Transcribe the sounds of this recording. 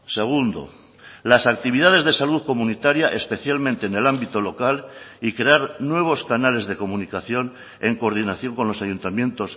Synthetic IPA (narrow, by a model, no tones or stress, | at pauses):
se̞ɣ̞und̪o̞̰ | lasak̚t̪iβ̞iðað̞e̞zðe̞saluðko̞munit̪aɾjaʔespe̞θjalmẽnt̪e̞ːne̞lambit̪o̞lo̞kalikɾe̞aɾnwe̞β̞o̞skanale̞zðe̞ko̞munikaθjo̞n | e̞ŋkoɾð̞inaθjo̞ŋko̞nlo̞saʝunt̪amjẽ̞nt̪o̞s